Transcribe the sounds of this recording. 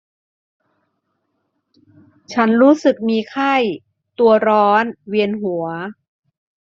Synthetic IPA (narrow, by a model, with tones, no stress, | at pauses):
t͡ɕʰa˦˥nɾuː˦˥sɯ˨˩k̚miː˧kʰa˥˩j | t̪u˧ɐɾɔː˦˥nwi˧ənɦu˨˩˦ɐ